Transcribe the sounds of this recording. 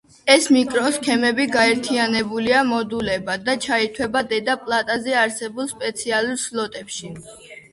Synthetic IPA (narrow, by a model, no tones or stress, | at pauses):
ɛsmikʼɾɔskʰɛmɛbiɡaɛɾt̪ʰianɛbuliamɔd̪ulɛbad̪at͡ʃʰait̪ʰwɛbad̪ɛd̪apʼlˠat̪ʼazɛaɾsɛbulˠspʼɛt̪sʰialˠuɾslˠɔt̪ʼɛpʃi